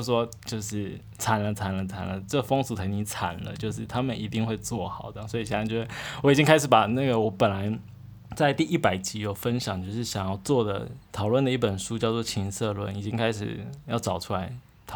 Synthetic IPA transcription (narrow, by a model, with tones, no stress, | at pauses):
ʂwɔ˥t͡ɕjo˥˧ʊʂɻ̩˥˩ | t͡sʰa˨˩nlə˧˦t͡sʰa˨˩nlə˦t͡sʰa̰˨˩nlə˦ʈ͡ʂə˥˩fɤ˥ŋsu˨˩t̪ʰa˧˥ni˧˥t͡sʰa̰˨˩nlə̰˦t͡ɕjo˥˧ʊʂ̬ɻ̩˥˩t̪ʰa˥mə˨ni˨˩t̪i˥˧ŋxwe˥˧ɪt͡swɔ˥˩xɑ˨˩ʊd̪ə˦swɔ˧˥i˨˩ɕɛ˥˩n˧˥˩t͡ɕjɔ˧˩wɔ˧˥i˨˩t͡ɕi˦˥ŋkʰa˥ɪʂ̬ɻ̩˩˥pa˨˩na˥˩ɡə˩wɔ˧˦˥pə˨˩nla˧˦ɪ | t͡sa˥˧ɪt̪i˥˧i˥˩pa˨˩ɪt͡ɕi˧˥jo˨˩ʊfə˥nɕjɑ˨˦ŋt͡ɕjo˥˧ʊʂɻ̩˥˩ɕjɑ˨˩ŋjɑ˥˧ʊt͡swɔ˥˩d̪ə̰˩t̪ʰɑ˨˩ʊlwə˥˩nd̪ə˩i˥˩pə˨˩nʂu˥t͡ɕjɑ˥˧ʊt͡swɔ˥˩t͡ɕʰi˧˥nsɤ˥˧lwə̰˥˩ni˨˩t͡ɕi˥ŋkʰa˥ɪʂɻ̩̰˨˩jɑ˥˩ʊʈ͡ʂɑ˨˩ʊʈ͡ʂʰu˥la˧˥ɪ | t̪ʰ